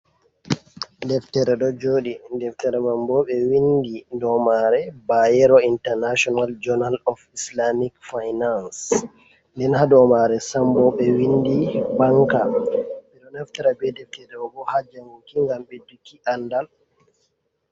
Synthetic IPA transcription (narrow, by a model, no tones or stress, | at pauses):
dɛftɛɾɛɗɔd͡ʒoːɗindɛftɛɾɛmambɔɓɛwindidɔmaɾɛbajɛɾɔintɛɾnaʃɔnald͡ʒɔnalɔfislamikfajnans | ndɛnhadɔmaɾɛsambɔɓɛwindibaŋkaɓɛɗɔnaftɛɾabɛdɛftɛɾɛɔbɔhad͡ʒamukiŋɡamɓedukiʔandal